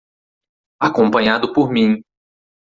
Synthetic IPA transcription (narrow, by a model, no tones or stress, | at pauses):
akõpɐ̃ɲad̪ʊpoɾmĩ